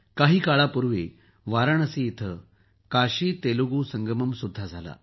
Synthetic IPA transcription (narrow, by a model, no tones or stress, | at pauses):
kaɦiːkaɭapuɾʋe | ʋaɾaɳ̃əseːt̪ʰə | kaɕiːt̪eluɡusəŋɡəməmsud̪ʱːad͡zʱala̰